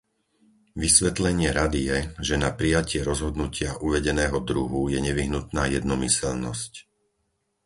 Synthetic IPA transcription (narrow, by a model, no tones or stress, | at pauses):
ʋisʋɛt̪lɛɲɪɛɾad̪ijɛʒɛnapɾijacɪɛɾɔzɦɔd̪nucɪaʔuʋɛɟɛnɛːɦɔd̪ɾuɦujɛɲɛʋiɦnut̪naːjɛd̪nɔmisɛlnɔ̰sc